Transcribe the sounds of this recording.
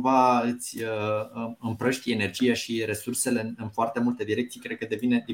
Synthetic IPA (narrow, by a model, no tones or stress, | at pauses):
vaɨt̪sʲə | ɨmpɾəʃt̪ie̞ne̞rd͡ʒijaʃiɾe̞surse̞le̞ɨnfoart̪e̞mult̪e̞d̪iɾekt̪sijkɾekəd̪e̞vine̞d̪i